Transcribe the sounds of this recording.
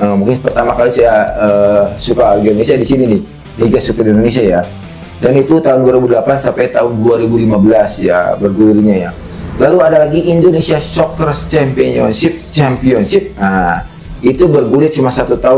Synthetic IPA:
əmũŋkɪnpərt̪amakalisajaəsukaɡinonesiadisininɪ | niɡasukərdiindonesiaja | danit̪ut̪aɦʊnduaɾibudəlapansampajt̪aɦʊnduaɾibulimabəlasja̰bərɡuliliɲaja̰ | laluadalaɡiːndonesiasɔkərt͡ʃɛmpiɔnsɪp̚t͡ʃɛmpiɔnsɪp̚a | it̪ubərɡulɪt̪̚t͡ʃumasat̪ut̪aʊ

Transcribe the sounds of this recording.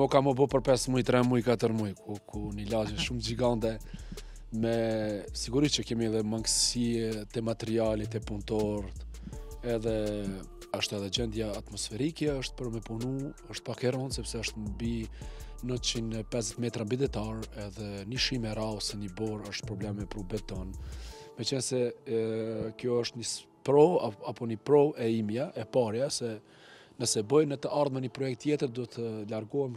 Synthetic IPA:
ɔkamɔbɔpəɾpɛsmujt̪ɾɛmujkat̪əɾmujkʰukʰunilad͡ʒɛʃumd͡ʒiɡant̪ɛ | mɛsiɡuɾit͡ʃəkɛmiɛðɛmaŋɡsiɛt̪ɛmat̪ɛɾialit̪ɛpunt̪ɔɾt̪ɛðɛ | əʃt̪ɛðɛd͡ʑɛnd̪jaːt̪mɔsfɛɾikɛəʃt̪̚pəɾmɛpunuəʃt̪̚pakɛɾɔnsɛpsɛəʃt̪mbinət͡ʃinɛpɛzzɛt̪mɛt̪ɾambid̪ɛt̪aɾɛðɛniʃimɛɾawsɛnibɔɾəʃt̪̚pɾɔblɛmɛpɾubɛt̪ɔnmɛt͡ʃənsɛ | kjɔəʃt̪ɲis | pɾɔaapɔnipɾɔɛimjaʔɛpaɾjasɛ | nəsɛbəjnət̪əʔaɾðmənipɾɔjɛk̚t̪ːjɛt̪əɾd̪uɛt̪ʰəlaɾɡɔɛm

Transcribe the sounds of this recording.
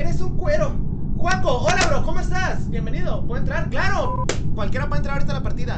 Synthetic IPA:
eɾesuŋkwe̞ɾo̞xwakoolaβɾoko̞moe̞st̪asbje̞mbe̞niðo̞pweðent̪ɾaɾklaɾo̞kwalkjeɾapwent̪ɾaɾoɾit̪alapaɾt̪iða

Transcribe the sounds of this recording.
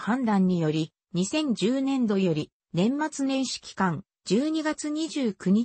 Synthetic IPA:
hãnd̪ãɲ̟ːijo̞ɾʲi | ɲ̟isẽ̞ɲ̟d͡ʑɨːnẽ̞nd̪o̞jo̞ɾʲi | nẽ̞mːat͡sɨnẽ̞ɰ̃ɕi̥kʲi̥kãŋ | d͡ʑɨːɲ̟iɡat͡sɨɲ̟iʑɨːkɯ̟ɲ̟i

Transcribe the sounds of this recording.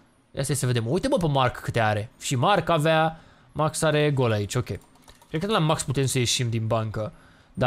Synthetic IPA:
ja̰st̪ajesəve̞d̪emujt̪əməpemarkːɨt̪e̞aɾe̞ʃimarkavea | maksaɾe̞ɡo̞lait͡ʃʲo̞kʲe̞ | kɾed̪̚kəɨlamaksput̪e̞msəje̞ʃimd̪inbaŋkə | d̪a

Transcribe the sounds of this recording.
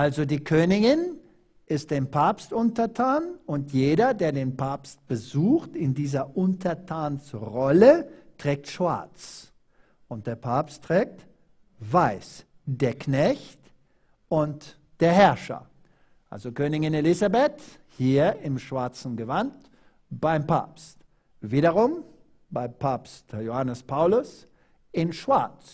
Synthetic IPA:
ʔalzodiːkʰøːnɪɡɪn | ʔɪst̚d̥eːmpʰaːpstʔʊntɐtʰaːnʊntjeːɾɐdeːɐdeːnpʰaːpst̚b̥əzuːxtɪndiːzɐʔʊntʰɐtʰaːnsʁɔlətʁ̥ɛːk̚tʃv̥a̰ɐt͡s | ʔʊnt̚d̥eːɐpʰaːpstʁ̥ɛːk̚t | vaɪs | d̥eːɐkʰnɛçt | ʔʊnt | d̥eːɐhɛɐʃɐ̰ | ʔa̰lzokøːnɪçɪnelɪzabɛt | hiːɐɪmʃv̥aɐt͡sn̩ɡəvant | b̥aɪmpa̰ːpst | viːɾɐʁʊm | b̥aɪmpʰaːpstjohanəspʰaʊlʊs | ʔɪnʃv̥aɐt͡s

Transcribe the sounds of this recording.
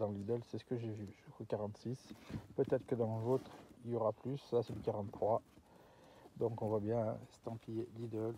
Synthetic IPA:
d̪ɑ̃lid̪œlsɛsə̥kəʒevyʒyskokaʁɑ̃t̪sispøt̪ɛt̪χə̥kəd̪ɑ̃vot̪χiljɔʁaplysasɛləkaʁɑ̃t̪ːχwa | d̪ɔ̃kɔ̃vwabjɛ̃st̪ɑ̃pielid̪œl

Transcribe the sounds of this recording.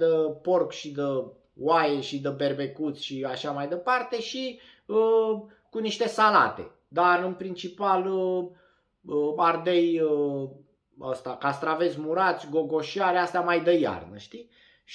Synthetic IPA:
əpo̞rkʃid̪ə | wajeʃid̪əbe̞rbe̞kut̪sʲʃiaʃamajd̪e̞part̪e̞ʃi | ə | kuniʃt̪e̞sala̰t̪e̞̰ | d̪arɨnpɾint͡ʃipalə | əard̪ejə | ə̰st̪akast̪ɾave̞smuɾat̪sʲɡo̞ɡo̞ʃiaɾeast̪eamajd̪əja̰rnəʃt̪i | ʃ

